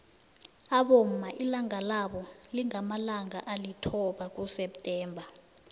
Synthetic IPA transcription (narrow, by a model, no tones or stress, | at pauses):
aɓom̩maʔilaŋalaɓɔliŋamalaŋaʔalitʰɔɓak̬ʼusɛptʼɛːmbʱa